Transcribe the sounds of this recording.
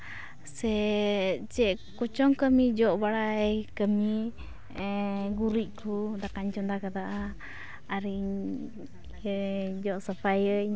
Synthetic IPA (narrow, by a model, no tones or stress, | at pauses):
sɛ | t͡ʃɛʔ | kɔt͡ʃɔŋkəmid͡ʒɔʔbaɽaɛkəmi | ɡuɾiʔkʰud̪akaɲt͡ʃɔnd̪akad̪aʔaː | ɾi | d͡ʒɔʔsapʰajə